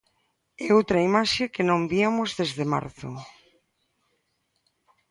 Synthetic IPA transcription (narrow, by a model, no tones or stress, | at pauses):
ɛowt̪ɾaimaʃekenõmbiamozðezðema̰ɾθʊ̰